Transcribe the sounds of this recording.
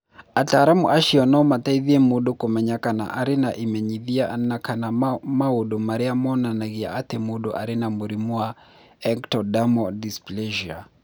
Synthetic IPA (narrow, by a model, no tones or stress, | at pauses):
ataːɾamuʔaʃiɔnɔmataiðiɛmuɗɔkɔmɛɲakana̰ʔaɾinaʔimɛɲiðianakanamauɗɔmaɾiamɔnanaɣia̰atɛmuɗɔʔa̰ɾinamuɾimua | ɛŋktɔdamɔdisplɛʒia